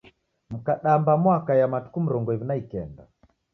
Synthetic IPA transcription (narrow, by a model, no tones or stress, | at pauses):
m̩kaɗambamwakajamatu̥kum̩ɾɔŋɡɔiβinaikɛnda